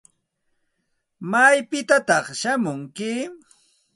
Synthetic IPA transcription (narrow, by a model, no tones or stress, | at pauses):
majpɪt̪at̪ɑχʃamʊŋkɪ